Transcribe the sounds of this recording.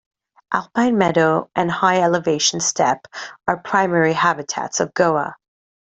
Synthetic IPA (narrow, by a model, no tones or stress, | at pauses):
ʔælˠbãɪ̃nmɛɾoʊʔɨ̃nhaɪɛlˠəveɪʃn̩stʰɛpə˞pʰɹ̥ãɪ̃mɛɹihæbɨtʰæ̰tsʌvɡoʊə̰